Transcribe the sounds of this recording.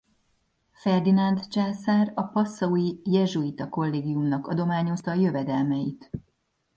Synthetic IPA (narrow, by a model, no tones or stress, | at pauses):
fɛrd̪inɒnd̪t͡ʃaːsaːrɒpɒsːɒujijɛʒuit̪ɒko̞lːeːɡijumnɒkɒ̰d̪o̞maːɲo̞st̪ɒːjø̞vɛd̪ɛlmɛjit̪